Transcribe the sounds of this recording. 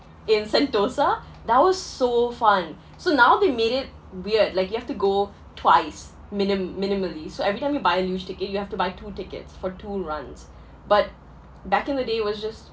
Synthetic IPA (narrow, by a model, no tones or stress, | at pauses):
ɪ̃nsɛ̃ntosa | d̪æt̚wɔz̥soːfʌ̃n | sonaʊd̪emeːɾɪt̚ | wiɹdlaɪkjuhæftuɡoː | tʰwaɪs | mɪ̃nɪmmɪ̃nɪməlisoɛvɹitãɪmjubaɪəljud͡ʒtɪkət̚juhæftubaɪtʰuːtɪkə̰tsfɔtʰuːɹʌ̃nz̥ | bʌt̚ | bækɪ̃nd̪ədeːwɔzd͡ʒʌst̚